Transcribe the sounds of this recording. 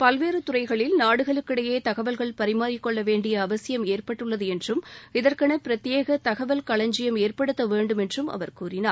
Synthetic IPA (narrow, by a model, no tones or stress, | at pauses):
pɐlʋeːɾɯt̪ʊrɐɪɣɐɭɪlnaːɽɯɣɐɭɯkːɪɽɐjeːt̪ɐɣɐʋɐlɣɐɭpɐɾɪmaːɾɪkːɔɭːɐʋeːɳɖɪjɐːʋɐsɪjɐmeːrpɐʈːɯɭːɐðɯɛndrɯmɪðɐrkɐɳɐpɪɾɐt̪ːɪjeːɣɐt̪ɐɣɐʋɐlkɐɭɐɲd͡ʒɪjɐmeːrpɐɽɯt̪ːɐʋeːɳɖɯmɛndrɯmɐ̰ʋɐɾkuːɾɪnaː